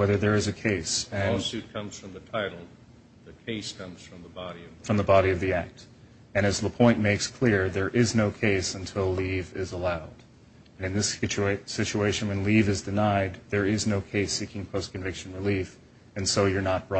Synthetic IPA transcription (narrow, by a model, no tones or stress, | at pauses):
wɛðə˞ðə˞ɨzɨkʰeɪsɨ̃sʉt̚kʰʌ̃mz̥fɹʌ̃mðɨtʰaɪɾl̩ˠ | ðɨkʰeɪskʰʌ̃mz̥fɹʌ̃mðəbɑɾiʌfɹʌ̃mðəbɑɾiʌvðiæk̚t | ɨ̃ñɨzðəpʰɔ̃ɪ̃nmeɪkskʰl̥ɪɹðə˞ʔɪznoʊkʰeɪsə̃ntʰɪlˠlivɪzəlaʊd | ɨ̃nɨ̃nðɪst͡ʃsɪt͡ʃueɪʃɨ̃nwɨ̃nlivɨzdɨnaɪd̪̚ðə˞ɪznoʊkʰeɪsikɪ̃ŋpʰoʊskɨ̃ɱvɪkʃɨ̃n̩ɹɨlif | ɨ̃nsoʊjə˞nət̚b̥ɹɔ